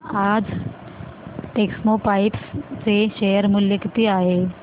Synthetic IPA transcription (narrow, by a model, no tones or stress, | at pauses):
ad͡z | ʈeksmopaipst͡seɕejəɾmuljekit̪iːaɦe